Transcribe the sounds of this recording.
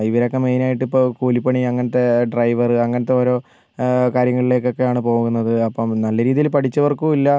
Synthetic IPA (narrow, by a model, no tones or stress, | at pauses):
iʋɐɾeokːemejnaːjiʈːipːokuːlipːɐɳiɐŋːɐnɐt̪ːe̞ɖrɐjʋɐrɨɐŋːɐnɐt̪ːeoːɾo̞ː | kaːɾjɐŋːɐɭile̞ːkːo̞kːe̞jaːɳɨpo̞ːɣunːɐðɨɐpːɐmnɐlːɐɾiːðijilpɐʈʰit͡ɕːɐʋɐrkuilːɐ